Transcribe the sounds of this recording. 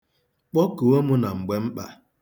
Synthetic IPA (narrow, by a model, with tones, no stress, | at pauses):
k͡pɔ˦ko˨o˦mʊ˦na˨ŋ͡m̩˨ɡ͡be˨˦m̩˦k͡pa̰˨